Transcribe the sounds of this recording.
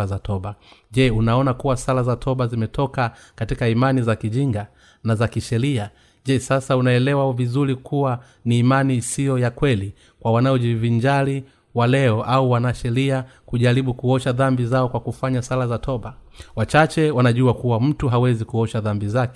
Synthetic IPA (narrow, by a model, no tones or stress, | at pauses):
azatʰɔɓaʄɛunaɔnakuwasalazatʰɔɓazimɛtʰɔka | katikaimanizakiʄiŋɡa | nazakiʃɛɾia | ʄɛsasaunaɛlɛwavizuɾikuwa | niːmanisijɔjakwɛli | kwawanaɔʄiviɲd͡ʒali | walɛɔʔauwanaʃɛɾiakuʄaɾiɓukuɔʃaðambizaɔkwakufaɲasalazatʰɔɓa | wat͡ʃat͡ʃɛwanaʄuakuwam̩tuɦawɛzikuɔʃaðambizakɛ